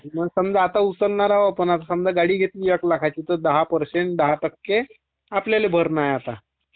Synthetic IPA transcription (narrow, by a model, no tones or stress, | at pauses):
məɡsəmd͡zaat̪aut͡səlnaɾaʋoapənat̪asəmd͡zaɡaɽiːɡʱet̪lijəklakʰat͡ɕiːt̪əɾd̪əɦapəɾseɳʈ̚d̪əɦaʈəkːe | apljalebʱəɾnajat̪a